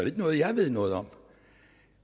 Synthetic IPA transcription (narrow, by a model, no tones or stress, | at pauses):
ed̥nɔ̽ːð̩ˠjɑɪʋe̝ð̞̰ˠnɔːð̞̩ˠɒ̽m